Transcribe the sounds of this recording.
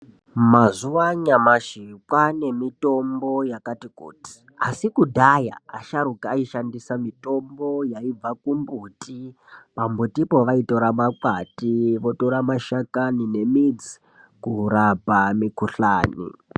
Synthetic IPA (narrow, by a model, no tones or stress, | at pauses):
mazuwaɲamaʃikwane̞mito̞mbo̞jakatikṵːti̥ | a̰sikudʱaja̰ːʃaɾukiaiʃandisamito̞mbo̞jaib͡vakumbuti | pambutipo̞ʋaito̞ɾamakwatiʋo̞to̞ɾamaʃakanine̞mid͡zi | kuɾapamikuɬa̰ːnḭ